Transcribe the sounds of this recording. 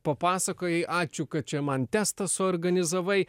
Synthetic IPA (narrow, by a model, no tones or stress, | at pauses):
pɐpɑːsɐkoːjɛɪʔɑːt͡ʃʲʊkɐt̪̚t͡ʃʲɛmɐnt̪ʲæːst̪ɐsʊɔːɾɡɐnʲɪzɐʋɐɪ